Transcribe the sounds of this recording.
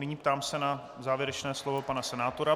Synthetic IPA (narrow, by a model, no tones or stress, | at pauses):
nɪɲiːp̚t̪aːmsɛna | zaːvjɛɾɛt͡ʃnɛːslovo̞panasɛnaːt̪o̞ɾa